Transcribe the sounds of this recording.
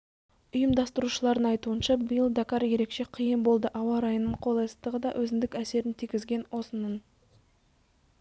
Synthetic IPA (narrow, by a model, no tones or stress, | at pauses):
ʊjəmd̪ɑst̪əɾuʃəlˠɑɾd̪əɴɑjt̪uənʃɑbəjəlˠd̪akaɾje̞ɾe̞kʃe̞qʰijəmbo̞lˠd̪əʔɑwɑɾɑjənːəɴqʰolˠɑjsə̥t̪əʁəd̪ɑʔɵzɪnd̪ɪkæse̞ɾɪnt̪ʰijkʲɪzɡʲe̞nwo̞sənən